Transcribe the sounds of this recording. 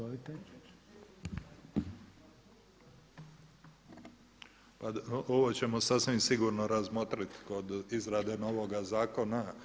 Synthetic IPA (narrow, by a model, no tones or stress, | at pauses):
it̪e | paoʋot͡ɕe̞mo̞sasʋimsiɡuɾnoɾazmot̪ɾit̪ko̞d̪izɾad̪e̞no̞ʋoɡazaːko̞na